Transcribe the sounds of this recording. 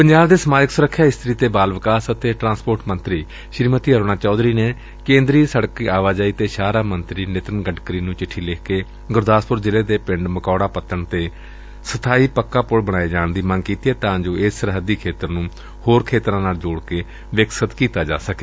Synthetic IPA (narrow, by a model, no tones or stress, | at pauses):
pəɲd͡ʒaːbd̪eːsəmaːd͡ʒəksʊɾəkʰːjaːɪst̪ɾiːt̪eːbaːlʋəkaːsət̪eːʈɾãːspoːɾʈmənt̪ɾiː | ʃɪɾmət̪iːɦəɾoːɽ̃ãːt͡ʃɔːd̪ɾiːneː | kẽːnd̪ɾiːsəɽkiːaːʋaːd͡ʒaːiːt̪eːʃaːɾaːmənt̪ɾiːnɪt̪ɾənɡəɖkəɾiːnũːt͡ʃɪʈʰːiːlɪkkeː | ɡʊɾd̪aːspʊɾzɪleːd̪eːpɪ̃ɳɖməkɔːɽaːpət̪ːəɳt̪eː | sət̪ʰaːiːpəkːaːpʊɽbəɽaːeːd͡ʒaːnd̪iːməŋɡkiːt̪iːɛːt̪ãːd͡ʒoːʔesːəɾɦəd̪iːkʰeːt̪əɾnũː | hoːɾkʰeːt̪ɾãːnaːld͡ʒoːɽkeː | ʋɪksət̪kiːt̪aːd͡ʒa̰ːsəkeː